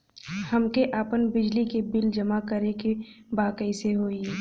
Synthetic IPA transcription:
hɐmkeʔaːpənbɪd͡ʒlikebɪld͡ʒəmakəɾeke | baːkəiseɦoːi

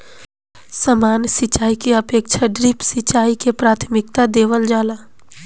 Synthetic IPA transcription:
səmaːnsɪt͡ʃaːikeəpeːk̚t͡ʃʰaɖɾɪpsɪt͡ʃaːikepɾaːt̪ʰmɪk̚t̪ad̪eːʋəld͡ʒaːlaː

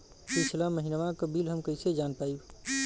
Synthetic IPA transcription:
pit͡ʃʰlaməɦinʋakəbilɦəmkəised͡ʒanpaib

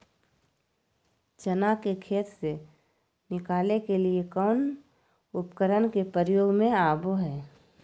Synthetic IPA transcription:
t͡ʃənakekʰeːt̪se | nɪkaːlekeliekɔːn | ʊpkəɾənkepəɾjoːɡmẽaːboɦɛː

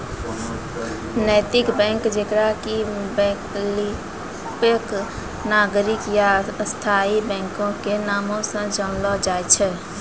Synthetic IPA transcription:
nəjt̪ɪkbɛ̃ŋkd͡ʒekɾakibɛ̃kli | pək | naɡɾikjast̪ʰaibɛ̃ŋkõkenamõsə̃d͡ʒənlɔd͡ʒaɛt͡ʃʰɛ

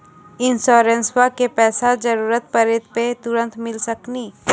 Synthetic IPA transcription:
ɪnsɔːɾẽnswakepɛːsad͡ʒəɾuːɾət̪̚pɐɾeːt̪̚pet̪ʊɾə̃nt̪mɪlsɐkniː

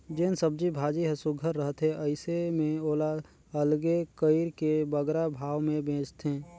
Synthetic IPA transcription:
d͡ʒeːnsəb̚d͡ʒibʱaːd͡ʒiɦəsʊɡʱəɾːəɦt̪ɦẽʔəɪsemẽoːla | əlɡekəɪɾkebəɡɾabʱaːʋmẽbʱẽːt͡ʃt̪ɦẽː

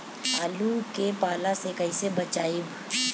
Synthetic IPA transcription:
aːlukepaːlasekɐɪsebɐt͡ʃaːɪb

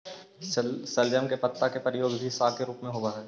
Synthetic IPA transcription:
sɐljəmkepɐt̪ːakepəɾɪjoːɡbʱisaːlkeɾuːpmẽɦoːɡaɦɛː

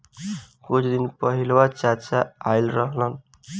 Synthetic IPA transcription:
kut͡ʃʰd̪inpʌɦilwat͡ʃat͡ʃaailɾʌɦlʌn

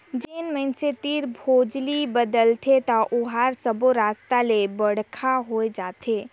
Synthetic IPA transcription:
d͡ʒeːnmɛ̃nset̪iɾbʱoːd͡ʒlibəd̪əlt̪ʰet̪aʔʊɦaɾsəboɾaːst̪alebəɽkʰaɦoed͡ʒaːt̪ʰeː

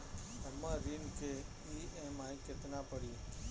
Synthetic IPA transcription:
əmãːɾiːnkʰeː | iːɛ̃ːmaːĩːkɪt̪nãːpəɽiː

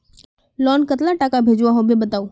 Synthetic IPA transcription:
lɔːnkət̪laʈakabʱeːd͡ʒʋaɦobebət̪aːu

